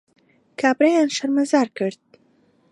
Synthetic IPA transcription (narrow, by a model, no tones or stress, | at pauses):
kʰabɾajanʃaɾmazaɾkəɾd̪̚